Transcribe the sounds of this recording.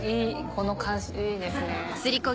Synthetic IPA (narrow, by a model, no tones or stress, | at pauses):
iːkʰonokʰãɰ̃ɕiid̪esɨnesɨɾʲiko